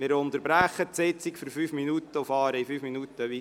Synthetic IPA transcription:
mɪːɾʊnt̪əɾbɾæχːət̪sɛt͡sikfyɾfyːfminut̪əʊfɑːɾəifyːfminut̪əʋi

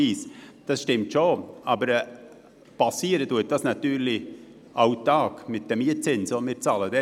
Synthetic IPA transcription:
iːsd̥ɑsʃtɪmtʃoɑbəɾ | pɑsiəɾətuət̚d̥ɑsnɑt̪yːɾli | ʔɑʊtɑːkmɪt̚d̥ɛmiət͡sɪnsomɪːɾt͡sɑːlədɛ

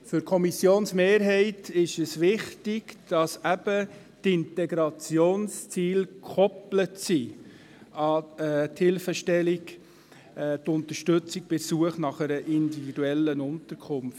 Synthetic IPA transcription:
fʏɾkʰɔmisjoːnsmeːɾɦɛɪtɪʃəsʋɪχtɪɡd̥ɑsæb̥ə | tɪntɛɡɾɑt͡sjoːnst͡siːlkʰɔplətsi | ɑɛthɪlfəʃtɛlikː | tʊnt̪əɾʃtɵt͡sɪk̚b̥ɪsuəχnɑχəɾəʔɪnd̪ividuɛlːənʊntəɾkʰχʊmft

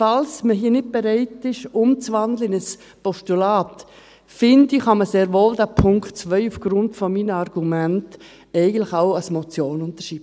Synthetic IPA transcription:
fɑlsməɦiːnɪt̚b̥eɾɛɪtɪʃʊmt͡sʋɑndləɪnəs | pɔʃtulaːt | fɪndiχɑməseːɾʋoːldæpʰʊŋktt͡svœʏufɡ̥ɾʊntfɔmiːnəɑrɡ̥umænt | ɛɪɡən̩tlɪχaʊɑsmɔt͡sjoːnʊnt̪əʃiːbə

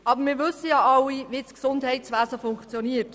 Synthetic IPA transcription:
ʔɑbəɾmɪːɾʋɵsəjɑːʔɑlːiʋisksʊndhɛɪtsʋæːsəfʊŋkt͡sjɔniːərt

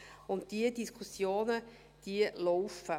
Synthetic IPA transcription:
ʊnt̚d̥iədiskʰusjoːnə | d̥iəlɔʊfə

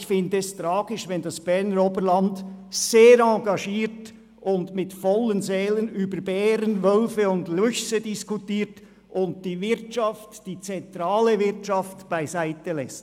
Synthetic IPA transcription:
çfɪndəɛstɾɑːɡ̥ɪʃvɛndɑsb̥ɛʁnəɾobəlɑndseːɾɑŋɡɑʃiːɾt | ʔʊndmɪtfɔlənzɛːlənyːbəɾbɛːɾənvœlfəʊndlʏçsədɪskutiːt | ʔʊnt̚d̥iːvɪɾt͡ʃɑftd̥iːt͡sɛntɾɑːləvɪɾt͡ʃɑftb̥aɪzaɪtəlɛst

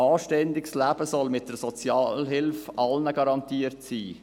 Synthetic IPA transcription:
ɑːʃtɛndɪkslæbəsɔlmɪt̚d̥əɾsɔt͡sjɑːlɦɪlfʔɑlnəɡɑɾɑntiəɾtsiː

